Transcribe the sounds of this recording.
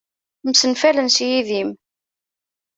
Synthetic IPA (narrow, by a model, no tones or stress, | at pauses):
msənfælənsjiðim